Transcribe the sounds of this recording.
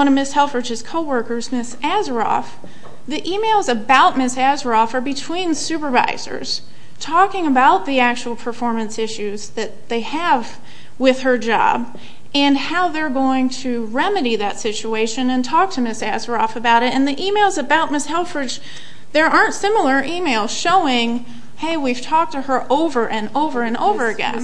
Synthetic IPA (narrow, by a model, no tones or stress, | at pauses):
ʌ̃ɾ̃ʌmɪshɛlˠfɹɨd͡ʒɨz̥kʰoʊwɜ˞kə˞zmɪsæzə˞ɔ̰f | ðiʔimeɪlˠzɨbaʊt̚mɪsæzə˞ɔfə˞bɨtʰw̥ĩnsʉpə˞va̰ɪz̥ə̰˞z̥ | tʰɔkɪ̃ŋɨbaʊt̪̚ðiæk̚t͡ʃuwl̩ˠpʰə˞fɔɹmɨ̃nsɪʃʉzðɨt̪̚ðeɪəv | wɪð̥ə˞d͡ʒɑ̰b | ɨ̃nhaʊðə˞ɡoʊɪ̃ŋtʰɨ | ɹɛmɨɾiðɨtsɪt͡ʃʉeɪʃɨ̃nɨ̃ntʰɔk̚tʰɨmɪsæzə˞ɔfɨbaʊɾɨtɨ̃nðiʔimeɪlˠzɨbaʊt̚mɪshɛlˠfə˞d͡ʒ | ðə˞ʔɑɹntsɪ̃ml̩ˠə˞ʔimeɪlˠz̥ʃoʊɪ̃ŋ | heɪwiv̥tʰɔk̚tʰɨə˞ʔoʊvə˞ʔɨ̃noʊvə˞ɨ̃no̰ʊvə˞ɨɡɛ̰̃n